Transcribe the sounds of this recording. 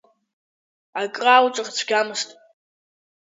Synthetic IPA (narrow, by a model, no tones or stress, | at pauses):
akʼraːwʈ͡ʂʷʼɨχt͡sʷʰɡʲamɨstʼ